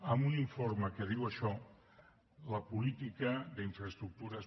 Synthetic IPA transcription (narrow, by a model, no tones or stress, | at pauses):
əmuniɱfoɾməkəð̞iwəʃɔ | ləpulit̪ikəðəiɱfɾəst̪ɾuk̚t̪uɾəs